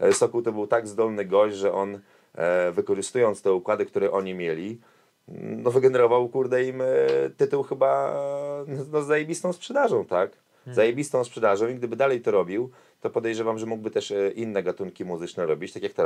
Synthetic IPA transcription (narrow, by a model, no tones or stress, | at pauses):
sɔkuwt̪ɔbɘwt̪aɡzd̪ɔlnɘɡɔɕʐɛʔɔn | vɘkɔʐɘst̪ujɔnt̪st̪ɛukwad̪ɘk̚t̪uɾɛʔɔɲimʲjelʲi | nɔvɘɡɛnɛɾɔvawkuɾd̪ɛimt̪ɘt̪uwxɘba | nɔzːajebʲist̪ɔ̃w̃spʂɛd̪aʐɔ̃w̃t̪ak | zajebʲist̪ɔ̃w̃spʂɛd̪aʐɔ̃w̃iɡ̚d̪ɘbɘd̪alɛjt̪ɔɾɔbʲiw | t̪ɔpɔd̪ɛjʐɛvamʐɛmuɡ̚bɘt̪ɛʂʔinːɛɡat̪uŋkʲimuzɘt͡ʂnɛɾɔbʲit͡ɕt̪akʲjakt̪ɔ